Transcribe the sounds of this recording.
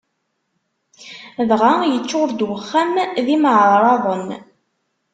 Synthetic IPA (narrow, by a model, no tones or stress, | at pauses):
ðʁajət͡ʃːʊɾd̪wəχːæmðiməʕɾˤɾˤɑðˤən